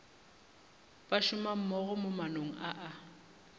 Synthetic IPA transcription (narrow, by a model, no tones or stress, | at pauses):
bʼaʃʊmam̩mɔɣʊmʊmanoŋ̩ʔaʔa